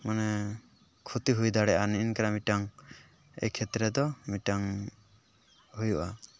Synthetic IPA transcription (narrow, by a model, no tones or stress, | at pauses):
manɛ | kʰut̪iɦujd̪aɽɛʔaniinkaɾamiʈaŋ | ɛ̰kʰɛt̪ɾɛd̪ɔmiʈaŋ | ɦujuʔa